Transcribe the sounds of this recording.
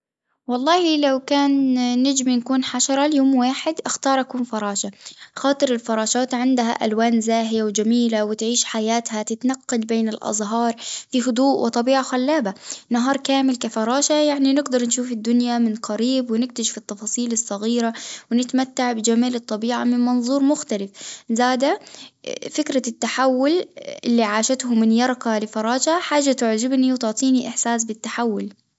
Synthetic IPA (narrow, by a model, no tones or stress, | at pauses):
wɑlˤːɑːhilawkaːnːɪd͡ʒminkuːnħaʃɑɾˤɑljoːmwaːħɪd̪ʔɪxt̪ɑːɾˤʔakuːnfɑɾˤɑːʃaxɑːt̪ˤɨɾɪlfɑɾˤɑːʃɑːt̪ʕɪnd̪ɦa̰ʔa̰lwaːnzaːɦɪjawd͡ʒamiːlawɪt̪ʕiːʃħajaːt̪hat̪ɪt̪nɑqːɑlbeːnɪlʔɑ̰zˤɦɑːɾˤfihʊd̪ˤuːʔwʔɪ̰t̪ˤɑbiːʕaxalːaːbanaɦɑːɾˤkaːmɪlkafɑɾˤɑːʃajaʕninɪɡd̪ɑɾˤnʃuːfɪd̪ːʊnjamɪnqɑɾiːbwɪnɪk̚t̪ɪʒfit̪ːɑfɑːsˤiːlɨsˤːɑɣiːɾawɪnɪt̪mat̪ːaʕbɪd͡ʒamaːlɨt̪ˤːɑbiːʕamɪnmɑnðˤuːɾˤmʊxt̪alɪfzaːd̪a | fɪkɾat̪ːaħawːʊlʔɪlːiʕaːʃat̪hʊmɪnjɑɾˤqalɪfɑɾˤɑːʃaħaːʒːat̪ʊʕd͡ʒɪbniwt̪ʊʕt̪ˤiːniʔɪħsaːsbɪt̪ːaħawːʊl